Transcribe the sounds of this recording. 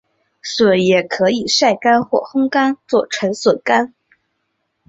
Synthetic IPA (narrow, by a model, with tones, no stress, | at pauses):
swə˨˩jɛ˨˩kʰɤ˧˥i˨˩ʂa˥˩ɪka˥nxwɔ̰˥˩xʊ˥ŋka˥nt͡swɔ˥˩ʈ͡ʂʰwə˧˥nswə˨˩ka˥n